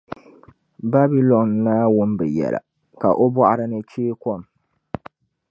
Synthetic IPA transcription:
ba˦bi˦lɔ˨nːaː˦wʊ˦mbɨ˨jɛ̰˨la̰˨ | ka̰˨ʔo˦bɔ˦ʔa˦ɾɨ˦nɨ˦t͡ʃeː˦kɔ˦˨m

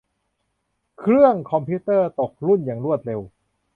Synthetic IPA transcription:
kʰɾɯ˥˩əŋkʰɔ˧mpʰiː˦˥t̪ɤː˥˩t̪o˨˩k̚ɾu˥˩njaː˨˩ŋɾu˥˩ət̪̚ɾe˧w

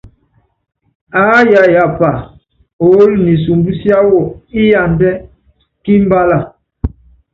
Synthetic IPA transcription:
a˨˦ja˨ja˨pa˨ | o˨˦lni˨s̬u˨mbu˦sja˦wɔ˨i˦ja˨ndɛ˦ | ki˦m˦ba˦la˨

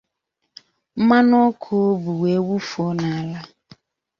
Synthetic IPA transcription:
ma˦no˦kʰo˦o˦bu˨we˨˦wu˦fo˦na˨a˨la˦

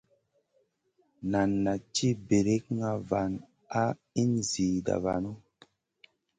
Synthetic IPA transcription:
na˨nːa˨t͡ʃi˦be˨ɾe˦kŋa˦va˨n | a˦ | i˦nzi˨da̰˨va̰˨no˦

